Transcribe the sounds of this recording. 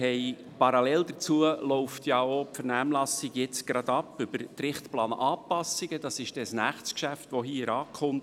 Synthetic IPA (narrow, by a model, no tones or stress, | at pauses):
hɛɪ | pɑɾɑlɛld̪ət͡suəlɔʊftjɑopfɛɾnæːmlɑsiɡjɪt͡sɡ̥ɾɑd̥̪ɑpːʏbəɾtɾɪχtplɑːnʔɑːpɑsiɡəd̥ɑsɪʃd̥ɛsnæχt͡skʃæftʋoɦiːɾɑːkχʊmt